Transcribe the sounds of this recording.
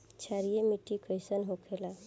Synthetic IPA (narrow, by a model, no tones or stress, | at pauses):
t͡ʃʰaɾijemiʈːikʰəjsənɦokʰela